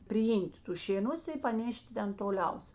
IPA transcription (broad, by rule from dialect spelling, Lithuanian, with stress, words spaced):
pʲrʲɪˈiːmʲtʲ ˈtʊs ʃʲeːˈnʊs ɪ pɐˈnʲeːʃʲtʲɪ ˈtʲɛn toːˈlʲɛʊs